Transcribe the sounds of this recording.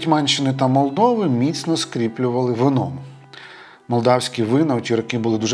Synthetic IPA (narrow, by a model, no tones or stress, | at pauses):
t̪ʲmɛnʲt͡ʃɪnɪt̪ɐmɔlˠd̪ɔʋɪmʲit̪sʲnɔskɾʲiplʲʊʋɐlˠɪʋɪnɔmʊ | mɔlˠd̪ɑwsʲkʲiʋɪnɐwtʲiɾɔkɪbʊlˠɪd̪uʒ